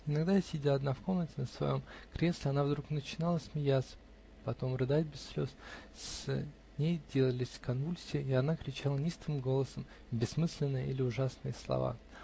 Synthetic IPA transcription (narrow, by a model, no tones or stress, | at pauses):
ɪnɐɡd̪ajsʲɪdʲaɐd̪nafko̞mnətʲɪnəsvɐ̰jo̞mkɾʲeslʲɪɐnavd̪ɾuknət͡ɕɪnalˠəsʲmʲɪjat̪sːə̥ | pɐt̪o̞mrɨd̪atʲbʲɪsːlʲo̞ss | nʲejdʲe̞lˠəlʲɪsʲkɐnvulʲsʲɪjəɪɐnakɾʲɪt͡ɕalˠənʲist̪vɨmɡo̞lˠəsəm | bʲɪsmɨsʲlʲɪnːɨjə̰ʔḭlʲɪʊʐasnɨjəslˠɐ̰va̰